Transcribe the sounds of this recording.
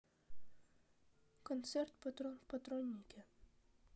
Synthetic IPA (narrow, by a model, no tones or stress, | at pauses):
kɔnt̪sɛrt̪pɔt̪ɔpɐt̪ɾɔnʲːikʲɛ